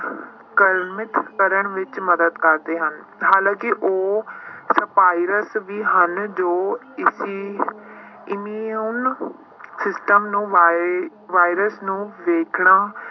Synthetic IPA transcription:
kəɾmɪt̪kəɾəɳʋɪt͡ʃməd̪əd̪kəɾd̪eːɦən | haːlãːkɪʔoːsəpaːiɾəsʋiːɦənd͡ʒoː | ɪsiː | ɪmiːən | sɪsʈəmnũːʋ | ʋaːiɾəsnũːʋeːkʰɳaː

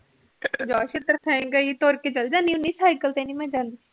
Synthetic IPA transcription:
d͡ʒɔːʃɪt̪əɾsɛ̃ŋɡait̪oːɾket͡ʃɐld͡ʒanĩʊnĩːsaːjkəlt̪ẽnĩmɛ̃ːd͡ʒãːnd̪i

